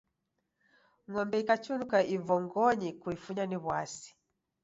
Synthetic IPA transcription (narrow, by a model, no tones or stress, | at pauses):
ŋɔmbɛikat͡ʃunukaivɔŋɡɔɲikuifuɲaniβwasi̥